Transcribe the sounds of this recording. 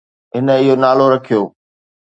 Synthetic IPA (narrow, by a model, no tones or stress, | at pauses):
ɦɪnəɪɦonaːloɾɐkʰijoː